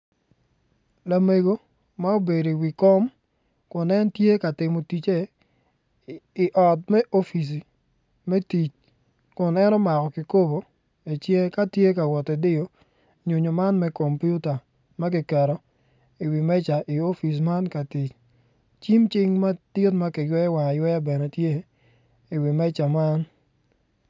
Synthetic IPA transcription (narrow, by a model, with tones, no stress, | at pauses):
la˦me˨ɡo˦ | ma˦o˦be˨do˨i˨wi˨kɔ˦m | kʊ˨nɛ˦ntje˦ka˨tɪ˨mo˨ti˨t͡ʃe˦˨ | ʔɔ˨t̚mɛ˦ʔo˦fi˨s̬i˨ | mɛ˦ti˨t͡ʃ | kʊ˨nɛ˦nɔ˦ma˨kɔ˨kɪ˨ko˦bo˨ | e˨t͡ʃe˦ka˦tje˦ka˨wɔ˨tɛ˨dɪ˦jo˨ | ɲo˨ɲo˨ma˦nmɛ˦ko˨mpju˦ta˨ | ma˦k̬i˨kɛ˨ɾo˨ | i˨wi˨mɛ˦t͡ʃa˨ʔɪ˨o˦fi˨s̬ma˦nka˨ti˨t͡ʃ | t͡ʃi˦mt͡ʃɪ˦ŋma˦ti˦tma˦kɪ˨jwɛ˦ja˦wa˨jwɛ˦ja˦bɛ˨nɛ˨tje˦ | ɪ˨wi˨mɛ˦t͡ʃa˨ma˦n